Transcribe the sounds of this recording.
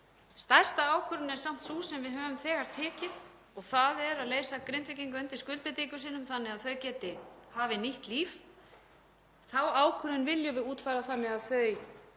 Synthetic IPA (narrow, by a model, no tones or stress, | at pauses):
st̪ajr̥st̪aaːwkʰʏɾʏnɛɾ̥sam̥t̪suːsɛmvɪðɦœːvʏmθɛːɣaɾ̥t̪ʰɛːcɪð | ɔɣθaðɛɾaðleːjsakɾɪnt̪ɾɪcijŋkʏʏnt̪ɪ̥skʏlpɪt̪ikʏsiːnʏmθanːɪaðθœɥcɛːt̪ɪhaːvɪniht̪liːf | θawaːwkʰʏɾɪnvɪljʏvɪuːt̪fajɾaθamɛðaðθœɥ